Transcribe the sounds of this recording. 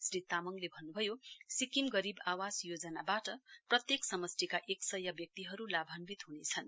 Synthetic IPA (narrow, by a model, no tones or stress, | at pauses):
srit̪amʌŋlebʱʌnːubʱʌjosikimɡʌɾibawasjod͡zʌnabaʈʌprʌt̪jeksʌmʌst̪ikaʔeksʌjʌbjʌk̚t̪iɦʌɾulabʱʌnbit̪ɦunet͡sʰʌn